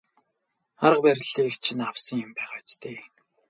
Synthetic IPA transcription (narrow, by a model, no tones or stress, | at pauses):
aɾə̆qpæɾʲɪ̆ɮiːkt͡ɕʰinawsə̆ŋjʊmpæːχat͡ɕt̪ʰeː